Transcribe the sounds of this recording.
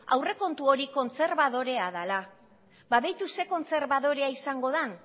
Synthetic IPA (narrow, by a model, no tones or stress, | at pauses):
a̰wre̞ko̞nt̪uo̞ɾiko̞nt͡se̞ɾβaðo̞ɾe̞aðala | baβejt̪use̞ko̞nt͡se̞ɾβaðo̞ɾe̞aisaŋɡo̞ð̞an